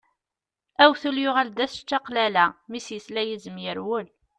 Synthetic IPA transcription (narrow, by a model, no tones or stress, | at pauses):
æwθuljʊʁæld̪æst͡ʃːɑqlælæmisjəslæjəzəmjəɾwəl